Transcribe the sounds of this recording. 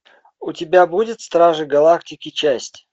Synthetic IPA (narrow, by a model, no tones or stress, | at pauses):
ʊtʲɪbʲabudʲɪt̪st̪ɾaʐɨɡɐlˠaktʲɪkʲɪt͡ɕæsʲtʲ